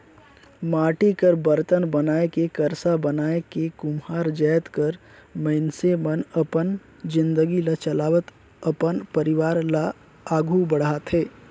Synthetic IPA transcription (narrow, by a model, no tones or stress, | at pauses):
maːʈikəɾbəɾt̪ənbənaːekekəɾsabənaːekekʊmɦaːɾd͡ʒəːt̪kəɾ | məɪnsemənəpən | d͡ʒɪ̃nd̪əɡilat͡ʃəlaːʋət̪ | əpənpəɾɪʋaːɾla | aːɡʱubəɽaːt̪ɦeː